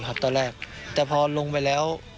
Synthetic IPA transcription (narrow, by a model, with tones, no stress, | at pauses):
pʰa˧˩t̪ːɔː˧lɛː˥˩k̚t̪ɛː˨˩pʰɔː˧lo˧ŋpa˧jlɛː˦˥w